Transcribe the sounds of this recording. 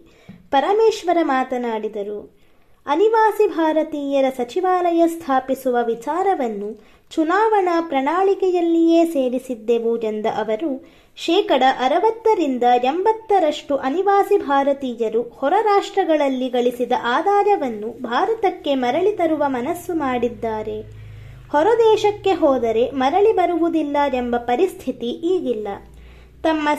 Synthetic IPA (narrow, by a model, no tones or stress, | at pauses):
pɐɾɐmeːʃʋɐɾɐmaːt̪ɐnaːɽid̪ɐɾu | ɐniʋaːsibʱaːɾɐt̪iːjɐɾɐsɐt͡ʃiʋaːlɐjɐst̪ʰaːpisuʋɐʋit͡ʃaːɾɐʋɐnːu | t͡ʃunaːʋɐɳɐpɾɐɳaːɭikɛjɐlːijeːseːɾisid̪ːeʋujend̪ɐʔɐʋɐɾu | ʃɛːkɐɽɐʔɐɾɐʋɐt̪ːɐɾind̪ɐembɐt̪ːɐɾɐʂʈuʔɐniʋaːsibʱaːɾɐt̪iːjɐɾuhɔɾɐɾaːʂʈɾɐɡɐɭɐlːiɡɐɭisid̪ɐʔaːd̪aːɾɐʋɐnːubʱaːɾɐt̪ɐkːe̞mɐɾɐɭit̪ɐɾuʋɐmɐnɐsːumaːɽid̪ːaːɾe̞ | hɔɾɐd̪ɛːʃɐkːe̞ɦɔːd̪ɐɾe̞mɐɾɐɭibɐɾuʋud̪ilːɐembɐpɐɾist̪ʰit̪iʔiːɡilːɐ | t̪ɐmːɐ